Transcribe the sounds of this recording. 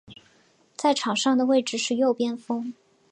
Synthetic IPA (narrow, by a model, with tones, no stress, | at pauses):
t͡sa˥˩ɪʈ͡ʂʰɑ˨˩ŋʂɑ˥˩ŋd̪ə˩we˥˩ɪʈ͡ʂɻ̩˥˧ʂɻ̩˥˧jo˥˧ʊpjɛ˥nfɤ˥ŋ